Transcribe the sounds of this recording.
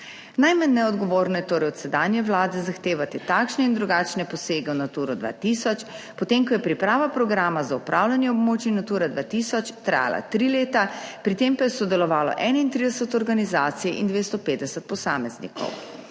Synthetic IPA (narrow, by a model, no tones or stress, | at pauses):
najmanːɛɔd̪ɡɔʋoːɾnɔjɛt̪oːɾɛjɔt̪sɛd̪anjɛʋlaːd̪ɛzaxt̪eːʋat̪it̪aːkʃnɛind̪ɾuɡaːt͡ʃnɛpɔseːɡɛwnat̪uːɾɔd̪ʋa̰t̪iːsɔt͡ʃ | pɔt̪eŋkɔjɛpɾipɾaːʋapɾɔɡɾaːmazaupɾʔaːwlʲjanjɛɔbmoːt͡ʃinat̪uːɾad̪ʋaːt̪iːsɔt͡ʃt̪ɾa̰ːja̰la̰t̪ɾileːt̪apɾit̪empajɛsɔd̪ɛlɔʋaːlɔ̰ʔɛnaint̪ɾid̪ɛsɛt̪ɔɾɡanizaːt̪sijɛʔḭnd̪ʋeːst̪ɔpeːd̪ɛsɛt̪̚pɔsaːmɛznḭkʰɔ̰w